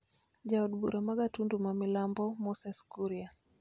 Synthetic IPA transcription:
d͡ʒauɗbuɾamaɡatundumamilambɔmɔsɛskuɾia

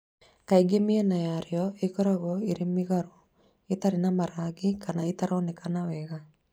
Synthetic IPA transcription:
kaiɡemiɛnajaɾeɔekɔɾaɣɔeɾemiɣaɾo | et̪aɾenamaɾaɡikanaet̪aɾanekanawɛɣa

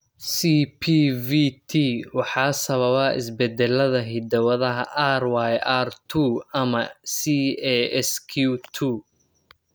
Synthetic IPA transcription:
siːpʰiːvit̪ʰiwɑħɑːsɐβɐβɐʔɪ̰sbɛd̪ɛlɐðɐɦɪd̪ɐwɐðɐɦɐ̰ʔaːrwajart̪ʰuɐmɐsiɛɛskʰut̪ʰu

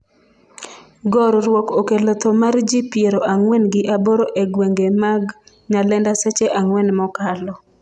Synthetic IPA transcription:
ɡɔɾɾwɔkokelɔt̪ɔmard͡ʒipjeɾoʔaŋwɛnɡɪʔaboɾoʔeɡweŋɡemaɡ | ɲalɛndasɛt͡ʃeʔaŋwɛnmɔkalɔ

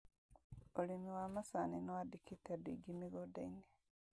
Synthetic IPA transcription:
olimiwamasaninowadikitadḭɡimiɡodaine

